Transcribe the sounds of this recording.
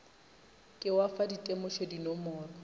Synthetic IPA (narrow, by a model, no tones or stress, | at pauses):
kʼɪwafaditʼemʊʃedinɔmɔːrɔ